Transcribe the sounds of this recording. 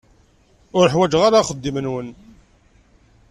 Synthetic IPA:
ʊɾəħwæd͡ʒʁaɾaχəd̪ːimənwən

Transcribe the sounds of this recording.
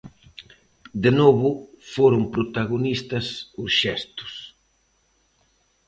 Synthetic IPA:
d̪enoβʊfoɾʊmpɾot̪aɣonist̪ɐsʊsʃɛst̪ʊ̥s

